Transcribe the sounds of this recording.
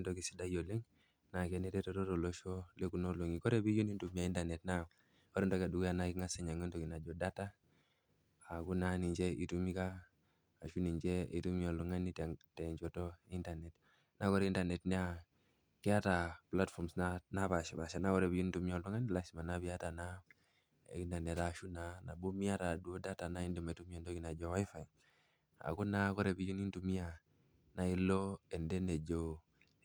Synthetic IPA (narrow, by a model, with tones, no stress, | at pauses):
ndo˦ki˨si˦da˦jo˨li˦ŋ | na˨ke˦ne˦te˦to˦to˦to˨lo˦ʃo˦le˦ku˨no˦lu˨ŋi˨kɔ˦ɾe˦bi˦d͡ʒu˦ni˦ntu˦mia˨i˦ntane˨tna˦ | o˦ɾe˦ndo˦ka˨du˨ɡjanakiŋa˦se˨ɲa˨ŋo˦nto˨ki˨na˨d͡ʒo˦da˦ta˦ | a˨ɡu˦na˦ni˨ɲd͡ʒe˦i˨tu˦mi˦kaː˦˨ | ʃu˦ni˨ɲd͡ʒɛ˦i˨tu˦mjo˨lu˨ŋa˦ni˦tte˨ɲd͡ʒo˨to˦i˦nta˨ne˨t | na˦kɔ˦ɾinta˨ne˨tni˦a | ki˦a˦ta˨pla˦tfɔ˨ɾmsnana˦βa˨ʃi˨ba˨ʃa˨na˦kɔ˦ɾe˨bi˨d͡ʒu˦n˦tu˨˦mi˦ɔ˨lu˦ŋa˦nila˦si˨ma˨na˦bi˦a˦ta˨na˦ | ḛ˨ɡi˦na˨ne˨ɾa˨ʃu˦na˨na˨bo˦mi˦a˦ɾa˨du˨o˦da˦ta˨na˦i˦ndi˨ma˨tu˦mi˦a˨ndo˦ɡi˨na˨d͡ʒɔ˦wa˦i˦fa˨j | a̰˨ku˦na˦kɔ˦ɾe˨bi˨d͡ʒu˦ni˦ntu˨mi˦a˨ | na˨i˦lo˦ɛ˨ndɛ˦ne˨d͡ʒo˦˨